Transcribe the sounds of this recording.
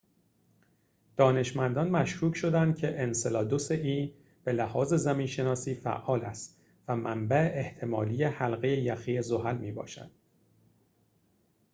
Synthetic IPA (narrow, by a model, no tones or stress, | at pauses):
d̪̥ɒːne̞ʃmænd̪ɒnmæʃɾuːcʰʃo̞d̪ænd̪̥̚cʲʰe̞ʔenselɒːd̪oseʔiːn | b̥e̞læhɒːze̞zæmiːnʃe̞nɒːsiːfæ̰ʔːɒːlæst̪ | væmæmbæeʔeht̪ʰe̞mɒːliːjehælɣe̞jejæxiːezo̞ɦælmiːbɒ̰ːʃæ̰nd̪̥